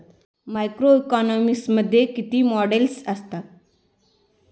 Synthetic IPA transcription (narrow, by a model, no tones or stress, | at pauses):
majkɾoikɔnɔmisməd̪ʱːjekit̪iːmɔɖelsəst̪a